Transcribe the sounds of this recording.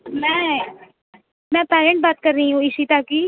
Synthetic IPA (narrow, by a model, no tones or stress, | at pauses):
mɛ̃ː | mɛ̃ːpɛːɾẽɳʈ̚baːt̪kəɾːəiɦũːɪsiːt̪aːkiː